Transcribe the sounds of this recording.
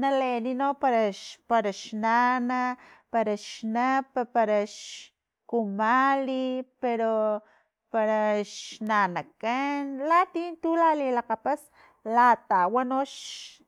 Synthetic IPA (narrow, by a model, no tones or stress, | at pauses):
naleninopaɾapaɾaʃnanapaɾaʃnapapaɾaʃ | kumalipeɾo | paɾaʃnanakanlat̪int̪ulalilaqapas | lat̪awanoʃ